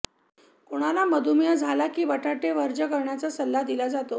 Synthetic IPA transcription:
koɽ̃alaməd̪ʱumjəd͡zʱalakiːʋəʈʰaʈeʋəɾd͡ʑəkəɾɳjat͡sasəlːad̪ilad͡zat̪o

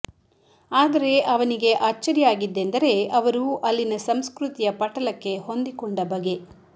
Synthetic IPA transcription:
aːd̪ɐɾe̞ʔɐʋɐniɡe̞ʔaːt͡ʃt͡ʃːɐɾijaːɡid̪ːend̪ɐɾe̞ɐʋɐɾuʔɐlːinɐsɐmskɾut̪ijɐpɐʈɐlɐkːe̞ho̞nd̪ikoɳɖɐbɐɡe̞

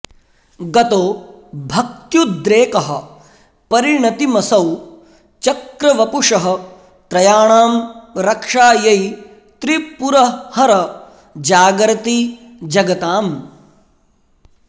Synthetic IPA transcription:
ɡɐt̪oː | bʱɐk̚t̪jud̪ɾeːkɐɦɐ̆ | pɐɾiɳɐt̪imɐsɐw | t͡ʃɐkɾɐʋɐpuʂɐɦɐ̆ | t̪ɾɐjaːɳaːmɾɐkʂaːjɐj | t̪ɾipuɾɐhɐɾɐ | d͡ʒaːɡɾɐt̪i | d͡ʒɐɡɐt̪aːm

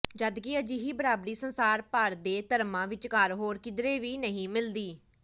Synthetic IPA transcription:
d͡ʒəd̪kɪəd͡ʒiɦiːbəɾaːbɾiːsənsaːɾpəɾd̪eːt̪əɾmãːʋɪt͡ʃkəɾɦoːɾkɪd̪ɾeːʋiːnəɦĩːmɪld̪iː

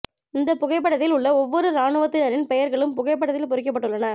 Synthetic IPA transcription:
ɪnd̪ɐpʊɣɐɪp̬ːɐɽɐt̪ːɪlʊɭːɐɔʋːɔɾɯɾaːɳɯʋɐt̪ːɪnɐɾɪnpɛjɐɾɣɐɭɯmpʊɣɐɪpːɐɽɐðɪlpɔɾɪk̬ːɐpːɐʈːɯɭːɐnɐ

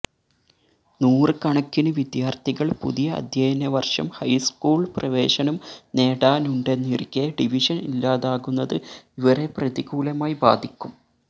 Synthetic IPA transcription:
nuːrɨkɐɳɐkːinɨʋid̪jaːrt̪ʰiɣɐɭpṵðijɐɐ̰d̪ʱjɐjnːɐʋɐrʂɐ̰mhɐjskuːɭprɐʋe̞ːʂɐnɐmne̞ːɽaːnuɳɖe̞nːirikʲːeɖiʋiʂɐnḭlːaːðaːɣunːɐðɨiʋɐre̞prɐðiɣuːlɐmaːjiba̰ːd̪ʱikʲːum

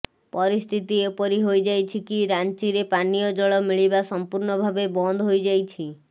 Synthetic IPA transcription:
pɔɾist̪ʰit̪iepɔɾiɦojd͡ʒajt͡ʃʰikiɾant͡ʃiɾepanijɔd͡ʒɔɭɔmiɭibasɔmpuɾnɔbʱabebɔnd̪ʱɦojd͡ʒajt͡ʃʰi

